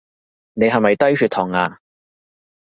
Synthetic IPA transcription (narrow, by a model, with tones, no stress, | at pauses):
ne˨˧jɦɐ˨˩mɐ˨jt̪ɐ˥jhy˧t̪ʰːɔː˨˩ŋaː˧